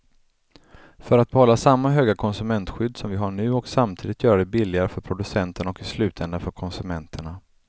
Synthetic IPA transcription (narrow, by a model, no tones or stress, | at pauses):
fœɾat̪̚bɛhɔlːasamːaɦøːɡakʰɔnsɵmɛnt̪ɧʏd̪ːsɔmvɪɦaɳʉ̟ːɔksamt̪ʰiːd̪ɪt̪jœːɾaɖ̪ɛbɪlːɪɡaɾəfœɾpʰɾʊd̪ɵsɛnt̪əɳaɔkɪslʉ̟ːt̪ʰɛnd̪afœɾkʰɔnsɵmɛnt̪ʰəɳa